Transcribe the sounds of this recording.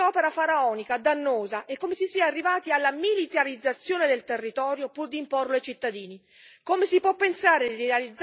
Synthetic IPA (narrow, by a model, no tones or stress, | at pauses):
ɔːpeɾafaɾaɔːnikad̪anːoːzaʔekːomesisiaːrːivaːt̪ialːamilit̪aɾid̪zːat̪sːjoːned̪elt̪erːit̪ɔːɾjopurd̪imporloajt͡ʃit̪ːad̪iːni | komesipwɔpːensaːɾedd̪iɾealid̪zː